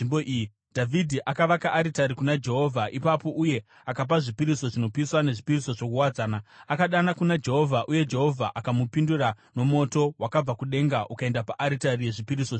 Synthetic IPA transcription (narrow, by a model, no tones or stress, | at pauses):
imboʔii | dʱavʱidʱiʔakaʋakaʔːɾitaɾikunad͡ʒe̞ɦo̞vʱaʔipapo̞ʔuje̞ | akap̬aʐipiɾiso̞ʐino̞piswane̞ʐipiriso̞ʐo̞kuwad͡zaːnaakaɗanakunad͡ʒe̞ɦo̞vʱaʔuje̞d͡ʒe̞ɦo̞vʱaʔakamupindura | no̞mo̞to̞wakab͡vakuɗe̞ŋɡaʔukae̞ndapaʔaɾitarije̞ʐipiɾiso